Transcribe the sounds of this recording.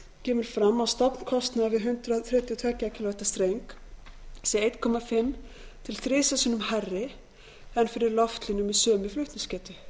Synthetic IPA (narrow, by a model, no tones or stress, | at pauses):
cɛːmɪɾ̥fɾamːawst̪apn̥kʰɔst̪navɪðɦʏnt̪ɾaθɾɛːt̪jʏt̪ʰvɛːcaacɪlvɛht̪ast̪ɾejŋk | sɛeːjt̪kʰɔːmafɪmː | t̪ʰɪlθɾɪːsasɪnʏmharːɪ | ɛnfɪɾɪɾlɔft̪lɪnʏmiðsœːmɪflʏht̪nɪscɛːt̪ʏ